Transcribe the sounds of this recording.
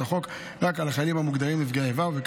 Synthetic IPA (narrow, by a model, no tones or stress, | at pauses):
aχo̞k | ʁakalaχalimhamuɡd̪aʁimifɡeevavek